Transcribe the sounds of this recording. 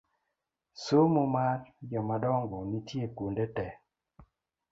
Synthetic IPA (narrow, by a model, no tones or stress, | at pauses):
somomaɾjɔmadɔŋɡɔnitjekundetɛ